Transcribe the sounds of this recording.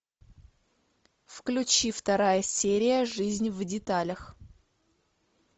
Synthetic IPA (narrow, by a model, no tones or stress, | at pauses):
fklʲʉt͡ɕift̪ɐɾajəsʲeɾʲɪjəʐɨzʲnʲvdʲɪt̪alʲəx